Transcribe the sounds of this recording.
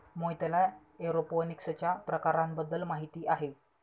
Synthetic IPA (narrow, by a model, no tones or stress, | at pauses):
mojt̪əla | eɾoponiksət͡ɕjapɾəkaɾambəd̪ːəlmaɦit̪iːʔaɦe